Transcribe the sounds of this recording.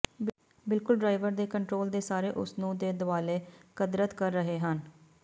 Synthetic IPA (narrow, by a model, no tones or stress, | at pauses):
bɪlkʊlɖɾaːɪʋəɾd̪eːkəɳʈɾoːld̪eːsaːɾeːʔʊ̰snũːd̪eːd̪ʊʋaːleːkəd̪ɾət̪kəɾːəɦeːɦən